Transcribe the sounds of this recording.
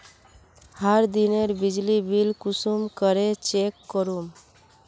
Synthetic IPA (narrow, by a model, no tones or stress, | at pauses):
haɾd̪ineɾbid͡ʒlibilkusumkəɾet͡ʃekːɔɾum